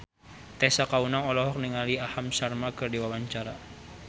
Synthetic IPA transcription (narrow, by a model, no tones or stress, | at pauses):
t̪ɛsakaunaŋɔlɔɦɔk̚niŋaliahamsarmakɨrdiwawaɲt͡ʃaɾa